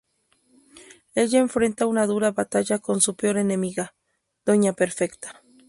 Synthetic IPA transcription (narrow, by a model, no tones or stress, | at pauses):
e̞ʝaeɱfɾe̞nt̪aunaðuɾaβat̪aʝako̞nsupeo̞ɾene̞miɣa | d̪̥o̞ɲapeɾfekt̪ḁ